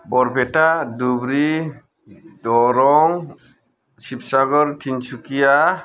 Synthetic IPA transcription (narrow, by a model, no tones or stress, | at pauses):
bɔɾpɛʈadubɾi | dɔɾɔŋ | sipsaɡɔɾʈʰint͡ʃukija